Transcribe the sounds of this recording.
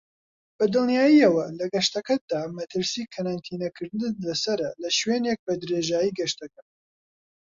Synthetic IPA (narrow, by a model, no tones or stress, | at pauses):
b̥ɐd̪ɨlˠnjaːjiɐwɐlɐɡɐʃt̪ɐkɐd̪aːmɐt̪ʰɨɾsiːkʰɐɾant̪ʰiːnɐkʰɨɾd̪ɨnlɐsɐɾɐlɐʃweːnek̚bɐd̪ɾeːʒaːjiːɡɐʃt̪ɐkɐ